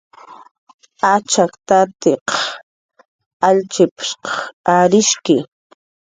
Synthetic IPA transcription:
at͡ʃakt̪at̪eqɑ̥ | aʎt͡ʃɪpɪ̥ʃqɑ̥xaɾɪʃkɪ

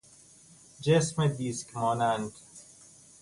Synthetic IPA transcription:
d͡ʒesmed̪iːskɾɒːnænt̪

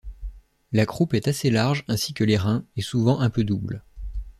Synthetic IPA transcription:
lakχupɛt̪aselaʁʒɛ̃sikəleʁɛ̃ɛsuvɑ̃ʔɛ̃pød̪ubl

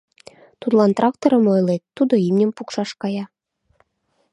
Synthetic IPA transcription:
t̪ut̪lˠɑnt̪rʔɑk̚t̪oɾə̆mojlet̪ːud̪oimnʲəmpukʃɑʃkɑjɑ

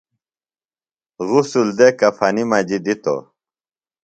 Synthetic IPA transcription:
ɣusuld̪ekɐfɐnimɐd͡ʑid̪it̪o̰

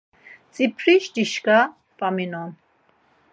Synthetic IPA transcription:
t͡sʼipʰɾiʃdiʃka | pʼaminɔn

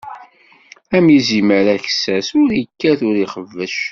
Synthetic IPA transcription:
æmjiziməɾæçsæsʊɾjəkːæθʊɾiχəvːəʃ

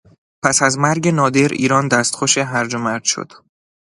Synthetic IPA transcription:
pʰæsæzmæɾɟe̞nɒːd̪e̞ɾḭːɾɒːnd̪æːst̪xoʃeɦæɾd͡ʒomæɾd̪ʃo̰d̪̥

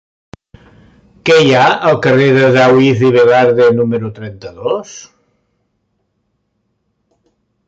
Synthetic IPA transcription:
kɛjaəlˠkəreðəðawiθiβ̞elaɾðenuməɾut̪ɾɛnt̪əðos

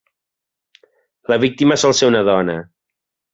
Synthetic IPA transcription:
ləβik̚t̪iməsɔlˠseɾunəðɔnə

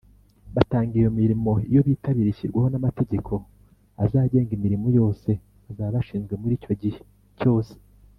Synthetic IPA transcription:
βataːŋɡijomiɾimo̞ijo̞βiːtʰaβiɾiçiɾɡwaho̞namate̞ɟe̞kʰo̞ | azaːɟe̞ːŋɡimiɾimojo̞ːse̞ | azaːβaβaʃiːnzɡwe̞muɾiːco̞ɟihe | co̞ːse̥

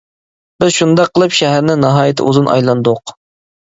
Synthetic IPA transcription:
b̥ɪzʃund̪ɑqʰːəlˠɨpʃɛɦæɾnɪŋnɑɦɑːjɪt̪ʰɪ̰ʔṵzunʔɑ̰jlˠɑnd̪ʊq

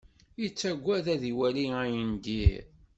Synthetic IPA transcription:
jit͡sːæɡʷːæðæðiwæliæjənd̪i

